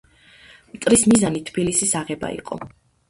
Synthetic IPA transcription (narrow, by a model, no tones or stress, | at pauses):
mt̪ʼɾismizanit̪ʰbilisisaʁɛba̰ḭqʼɔ̰